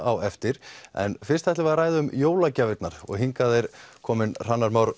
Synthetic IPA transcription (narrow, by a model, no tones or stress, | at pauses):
awɛft̪ɪɾ̥ɛ̰nfɪr̥st̪ajht̪ɪvaɾɾaːjðʏʏmjoːwlacavɪt̪naɾ̥ɔ̰ɣɦiŋkaðejɾ̥kʰɔːmɪnr̥anːaɾmawɾ